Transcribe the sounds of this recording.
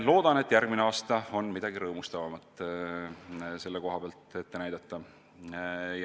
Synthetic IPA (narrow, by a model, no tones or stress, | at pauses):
lo̞ːd̪̥ɑne̞t̪ːˑjærɡ̥mineɑːst̪ɑo̞nːmid̪̥ɑɡ̥iɾɤːmust̪ɑvɑmɑt̪ˑ | se̞lːeko̞ɦɑb̥eɑlt̪e̞t̪ːe̞næjd̪̥ɑt̪ːɑ | j